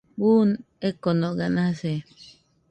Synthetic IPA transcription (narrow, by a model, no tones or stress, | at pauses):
bun | ekonoɡanase